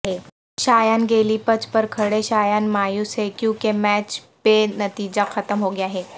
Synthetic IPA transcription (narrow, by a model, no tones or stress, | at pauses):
ɦɛː | ʃaːjaːnɡeːlipɐt͡ʃpɐɾkʰɐɽeʃaːjaːnmaːjʊsɦekjũːkemɛːt͡ʃ | penɐt̪iːd͡ʒaxʰɐt̪əmɦoɡɪjaɦɛː